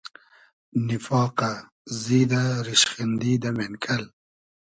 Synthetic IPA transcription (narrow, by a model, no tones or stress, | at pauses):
nɪfɑːqa | zid̪aɾiʃχind̪iːd̪amenkʰɐl